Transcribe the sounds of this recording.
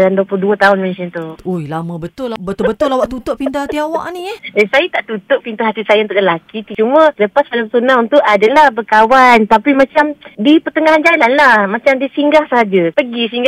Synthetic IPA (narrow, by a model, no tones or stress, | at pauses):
danduəpuluhduat̪aʊnmɛnsənt̪uojlamə̃bət̪ʊlbət̪ʊbət̪ʊlawaʔt̪ut̪oʔpint̪at̪iawa̰ʔniesajat̪aʔt̪ut̪ʊʔpint̪aɦat̪isajaunt̪ʊʔləlakit̪ut͡ʃumə̃sələpasalaməsunaunt̪uʔadalahbəkawant̪apimat͡ʃamdipərt̪əŋaɦand͡ʒalanlahmãt͡ʃamdisiŋɡahsəɦad͡ʒapəɡisiŋɡa